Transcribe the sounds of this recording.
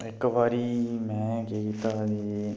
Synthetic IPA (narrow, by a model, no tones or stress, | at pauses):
ekːʋaːɾimɛ̃ɡeɡit̪ad̪i